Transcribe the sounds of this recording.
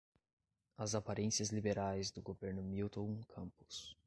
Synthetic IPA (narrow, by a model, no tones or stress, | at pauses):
ɐzapaɾẽsiɐzlibeɾajzd̪ʊɡoveɾnʊmiwt̪õw̃kʰɐ̃mpʊ̥s